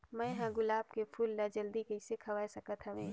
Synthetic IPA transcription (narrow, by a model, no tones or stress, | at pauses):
mɛ̃ɦãɡʊlaːb̚kepʰuːlːad͡ʒɐld̪ikəɪsekʰɐʋasɐkət̪ɦɐʋẽː